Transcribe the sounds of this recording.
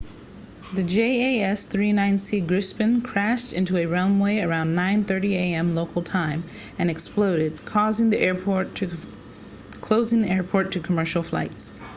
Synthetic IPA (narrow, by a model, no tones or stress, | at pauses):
ðɨd͡ʒeɪeɪɛsθɹinãɪ̃nsiɡɹɪspɨ̃nkʰɹ̥æʃtɪ̃ntuɨɹɛ̃ʊ̃nweɪə˞ãʊ̃nːãɪ̃nθɜ˞ɾieɪɛ̃mloʊkl̩ˠtʰãɪ̃m | ɨ̃nɨksploʊɾɪd̚kʰɔzɪ̃ŋðiʔɛɔt | kʰl̥oʊzɪ̃ŋðiɛɹpʰɔɹtʰɨkʰəmɜ˞ʃl̩ˠfla̰ɪts